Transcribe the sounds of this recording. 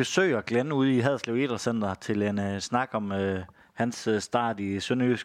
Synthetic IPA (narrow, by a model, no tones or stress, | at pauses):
esø̰ːɪɒɡ̥lenəuð̞ˠiɦæðˠsleʊḛːd̥ɐsen̰d̥ɐt͡sʰe̝lensnɑ̈ɡ̥ɒ̽mø | hænssd̥ɑ̰̈ːðˠisønøs